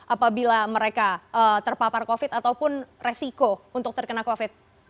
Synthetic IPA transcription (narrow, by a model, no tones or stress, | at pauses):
ʔapabilaməɾekaʔət̪ərpaparkofɪt̪at̪awpʊnresikount̪ʊk̚t̪ərkənakofɪt̪̚